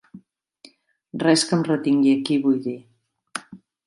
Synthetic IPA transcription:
rɛskəmrət̪iŋɡiəkiβujði

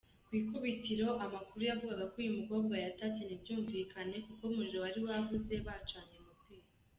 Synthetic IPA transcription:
kwiːkuβitiɾo̞ʔamakuɾujavuɡaɡakojumuko̞ːbɡwajatatenibjuːɱviːkʰane̞kuko̞muɾiɾo̞waɾiwavuze̞βat͡ʃaːɲemutiːɾ

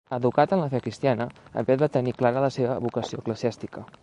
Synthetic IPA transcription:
əðukat̪ənləfɛkɾist̪ianəə̰mbɛt̪̚bat̪əniklaɾələseβəβukəsiokləziast̪ikə

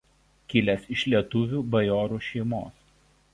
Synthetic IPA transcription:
kʲɪlʲɛsɪʃʲlʲiɛt̪ʊʋʲuːbɐjɔːɾuːʃʲɛɪmo̰ːs

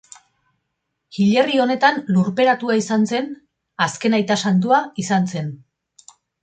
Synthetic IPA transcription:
ɣiʎe̞rio̞ne̞t̪anluɾpe̞ɾat̪uaisanse̞n | aske̞najt̪asant̪̬uaisanse̞n

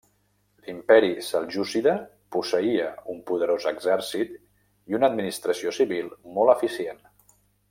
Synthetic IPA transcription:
limpɛɾisalˠʒusiðə | pusəiəumpuðəɾozəɡzɛɾsit̪ | iunəd̪minist̪ɾəsiosiβilˠmɔlˠəfisien

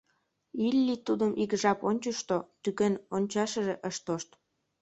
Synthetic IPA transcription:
ilʲːit̪ud̪əmʔikʒɑponʲt͡ɕəʃt̪ot̪ykenonʲt͡ɕɑʃəʒeʔəʃt̪oʃt̪

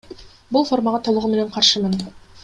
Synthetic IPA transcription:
bulˠfo̞rmɑʁɑt̪ʰo̞lˠuʁume̞ne̞ɴqʰɑɾʃɯmɯn

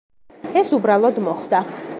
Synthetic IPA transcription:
ɛsubɾalˠɔd̪mɔχd̪a

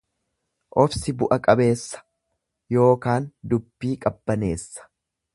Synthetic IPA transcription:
ʔɔfsɪbʊʔɐkʼɐbe̞ːsːɐ̥ | jo̞ːkaːnd̪ʊbːiːkʼɐbːɐne̞ːsːɐ̥

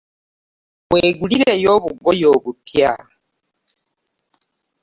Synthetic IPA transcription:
βweːɡuliɾejo̞ːβuɡojo̞ːβutja

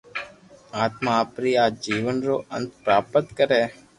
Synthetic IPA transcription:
aːt̪mãːpɾiːaːd͡ʒiːʋənɾoːə̰nt̪pɾaːpət̪kəɾeː

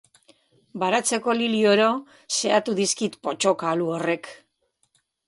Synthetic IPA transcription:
baɾat͡se̞ko̞lilio̞ɾo̞ | se̞at̪uðiskit̪po̞t͡ʃo̞kaluore̞k

